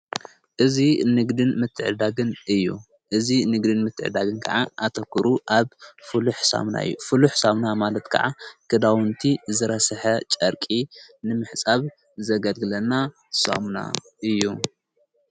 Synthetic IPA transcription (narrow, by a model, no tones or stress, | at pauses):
ʔɨzinɨɡd̪ɨnmɨt̪ʰːɨʕɨd̪aɡɨnɨjːṵ | ʔɨzinɨɡd̪ɨnmɨt̪ʰːɨ̰ʕɨ̰d̪aɡɨnkʰɐ̰ʕaʔat̪ʰɐkʰːɨɾuʔaβfɨluħsa̰mna̰ɨ̰jːufɨluħsamnamalɐt̪kʰɐ̰ʕakʰɨd̪awɨnt̪ʰizɨɾɐsɐħɐt͡ʃʼɐɾkʼinɨmɨħt͡sʼaβ | zɐɡɐlɡɨlɐnːa | so̰mna̰ | ʔɨjːu